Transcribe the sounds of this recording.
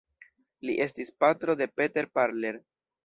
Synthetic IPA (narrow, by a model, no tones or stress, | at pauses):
liʔe̞stispatɾo̞de̞pe̞te̞ɾpaɾle̞ɾ